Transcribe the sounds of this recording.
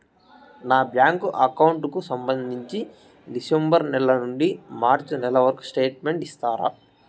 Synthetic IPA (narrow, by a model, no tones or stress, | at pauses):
naːbjaːŋkuʔɐkɐwuɳʈkusɐmbɐnd̪ʱiɲt͡ʃi | ɖisembɐɾnɛɭɐnuɳɖimaːɾt͡ʃunɛlɐʋɐɾku̥sʈe̞ːʈme̞ɳʈist̪aːɾɐ̰